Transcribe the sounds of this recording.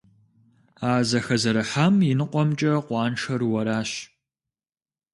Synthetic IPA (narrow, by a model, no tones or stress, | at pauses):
aːzɐxɐzɐɾɐħamjɪnɨqʷɔmt͡ʃʼɐqʷɑːnʂɐrwɐɾaːɕ